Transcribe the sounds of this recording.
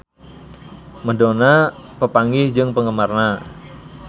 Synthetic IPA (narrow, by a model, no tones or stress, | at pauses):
mədonapəpaŋɡɪhd͡ʒɨŋpəŋəmarna